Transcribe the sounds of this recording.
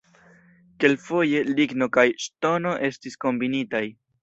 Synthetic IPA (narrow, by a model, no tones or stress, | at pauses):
ke̞lfo̞je̞liɡno̞kajʃto̞no̞ʔe̞stisko̞mbinitaj